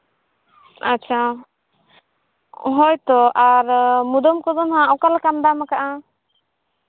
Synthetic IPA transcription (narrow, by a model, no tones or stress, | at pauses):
at͡ʃʰa | ɦɔjt̪ɔʔaɾmud̪ɔmkɔzɔnɦãɔkalkand̪amakaʔa